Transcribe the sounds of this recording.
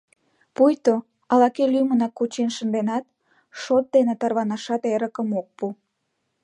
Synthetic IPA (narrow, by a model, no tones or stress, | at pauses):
pujt̪o | ɑlɑkelymənɑkːut͡ɕenʃənd̪enɑt̪̚ | ʃot̪̚d̪enet̪ɑrβɑnɑʃɑt̪eɾəkəmok̚pu